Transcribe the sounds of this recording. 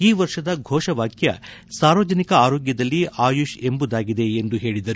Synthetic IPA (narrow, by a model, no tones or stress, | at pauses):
iːʋɐɾʂɐd̪ɐɡʱɔːʂɐʋaːkjɐ̰ | saːɾʋɐd͡ʒɐnikɐaːɾoːɡjɐd̪ɐlːiʔaːjuʃe̞mbud̪aːɡid̪e̞end̪uɦe̞ːɭid̪ɐɾu